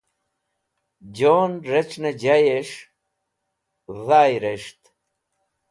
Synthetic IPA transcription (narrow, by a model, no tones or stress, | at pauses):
d͡ʑoːnɾet͡ɕned͡ʑajeʂ | ðaːjɾeʂt̪